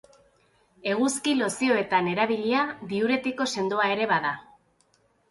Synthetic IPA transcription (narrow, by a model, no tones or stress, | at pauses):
e̞ɣ̞uskilo̞sio̞e̞t̪ane̞ɾaβiʎiaðiuɾe̞t̪iko̞se̞nd̪oae̞ɾe̞βaða